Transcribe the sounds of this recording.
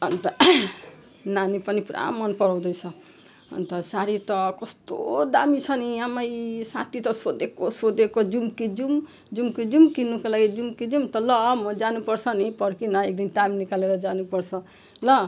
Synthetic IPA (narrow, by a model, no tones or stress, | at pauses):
ʌnt̪ʌ | nanipʌnipuɾʔa̰mːʌnpʌɾaw̃d̪ʌjt͡sʰʌ | ʌ̰nt̪ʌsaɾit̪ʌkʌst̪o̰d̪amit͡sʰʌniamʌjsa̰t̪it̪ʌsod̪ekosod̪ekod͡zumkid͡zum | d͡zumkid͡zumkinukalaɡid͡zumkid͡zumt̪ʌlʌmʌd͡zanupʌrt͡sʰʌnipʌrkinʌek̚d̪ind̪aminikaleɾʌd͡zanupʌrt͡sʰʌ | lʌ